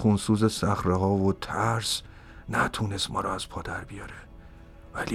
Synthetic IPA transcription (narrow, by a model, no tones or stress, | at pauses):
xunsuːzesæxɾeɦɒːvot̪ʰæɾs | næt̪ʰunest̪mɒ̰ːɾɒæz̥pʰɒːd̪æɾbijɒːɾe | væli